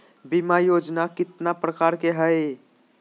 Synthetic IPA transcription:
bimajod͡ʒnakit̪napɾəkaɾkeɦəj

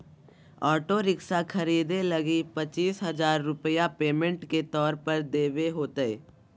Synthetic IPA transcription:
ɔːʈoɾɪksakʰɐɾiːd̪elɐɡipɐt͡ʃiːsɦɐzaːɾːʊpəjapeːmə̃ɳʈket̪ɔːɾpəɾd̪eːʋeɦoːt̪əeː

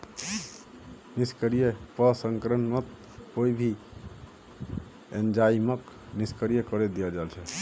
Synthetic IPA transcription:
niskəɾijəpəsəŋkɾənmət̪̚ | koibʱi | end͡ʒaimək | niskəɾijəkəɾed̪ijəd͡ʒalt͡ʃʰɛ

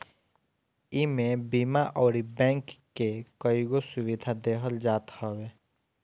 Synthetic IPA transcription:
ɪmẽbimaʔɔːɾibɛ̃ːŋkː | ekəjɡosʊwɪd̪ʱad̪eɦəld͡ʒaːt̪hɔweː

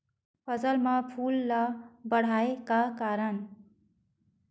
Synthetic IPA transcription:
pʰʌzəlmãpʰuːlːabəɽ̤aːekakaːɾən

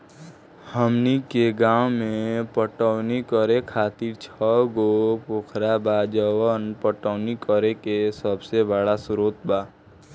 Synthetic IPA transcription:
həmnikeɡaːwmẽpəʈəʊnikəɾekʰaːt̪iɾt͡ʃʰɔɡopokʰɾabaːd͡ʒəwənpəʈəːnikəɾekesəbsebəɽasʊɾoːt̪baː

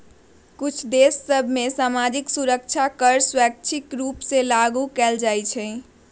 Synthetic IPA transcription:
kut͡ʃʰd̪esːəbʱmesamad͡ʒiksuɾəkt͡ʃʰakəɾswɛk̚t͡ʃʰikɾupsẽlaɡukɛld͡ʒajt͡ʃʰɛ̃

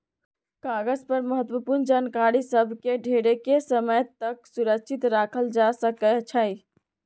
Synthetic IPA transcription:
kaɡəzpəɾməɦət̪wəpuɾnd͡ʒankaɾisəbʱkeɖʱeɾekesəməjt̪əksuɾək̚t͡ʃʰit̪ɾakʰəld͡ʒasəkɛt͡ʃʰəɪ

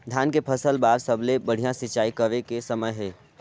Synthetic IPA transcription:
d̪ʱjaːnkepʰəsəlbaːɾsəblebəɽ̤ijãsɪt͡ʃaːikəʋekesəməjɦɛː

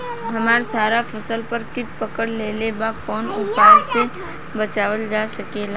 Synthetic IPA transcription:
ɦɐmaːɾsaːɾapʰɐsəlpəɾkɪʈ̚pəkəɽleːlebakɔːnʊpaːse | bət͡ʃaːʋəld͡ʒaːsɐkeːla

